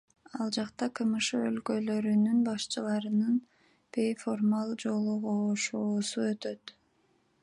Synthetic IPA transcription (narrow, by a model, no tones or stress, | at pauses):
ɑlˠd͡ʒɑqt̪ɑqʰɯmɯʃɯølkø̞lø̞ɾynynbɑʃt͡ʃʰɯlˠɑɾɯnɯn | b̥e̞jfo̞rmalˠd͡ʒo̞lˠuʁoːʃoːsuø̞t̪ø̞t̪